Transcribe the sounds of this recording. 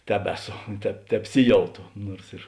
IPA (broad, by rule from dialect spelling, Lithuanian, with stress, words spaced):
ˈtʲæːbʲɛˌsoː tʲɛp tʲɛpʲˈsʲɪˌjɛʊtoː ˈnuɔrs ɪr